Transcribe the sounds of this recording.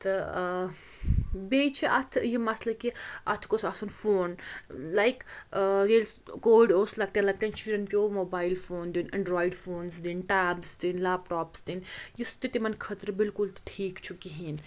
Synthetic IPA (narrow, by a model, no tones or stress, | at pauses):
t̪ɐ | beːt͡ʃʰiʔɐt̪ʰjimɐslɐkiɐ̰t̪ʰkosɐsunfoːnlajkɾeːlskoːɖoːslɐɡ̚t̪ʈ̪ʲãnlɐk̚ʈ̪ɐnt͡ʃiɖɐnpʲoːmoːbaːjlfoːnd̪inɐ̃ɳɖɾɔːiɖfoːnsd̪inʈaːbst̪inlaːbʈɔːpsd̪injust̪it̪imɐnkʰɐt̪ɾbɪlkʊlʈʰiːkt͡ʃʰukiɦin